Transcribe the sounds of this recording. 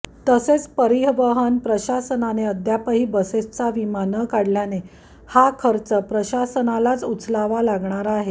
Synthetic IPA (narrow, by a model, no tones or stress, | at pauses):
t̪əset͡spəɾiɦʋəɦənpɾəɕasənaneəd̪ʱjapəɦiːbəsest͡saʋimanəkaɽljane | hakʰəɾt͡səpɾəɕasənalat͡sut͡slaʋalaɡɳaɾaːɦe